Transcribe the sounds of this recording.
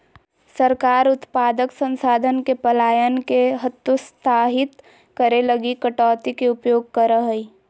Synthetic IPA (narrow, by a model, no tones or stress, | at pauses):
səɾkaːɾʊt̪paːd̪əksə̃nsaːd̪ʱənkepɐlaːjənkeɦət̪ːust̪ʰaːɦɪt̪ | kəɾeləɡikəʈɔːt̪ikeʊpjoːɡ̚kəɾəɦəi